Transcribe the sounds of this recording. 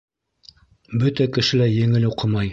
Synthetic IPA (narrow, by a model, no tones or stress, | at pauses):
bɵt̪ækɘ̆ʃɘ̆læjɘ̆ŋɘluqɤmɑj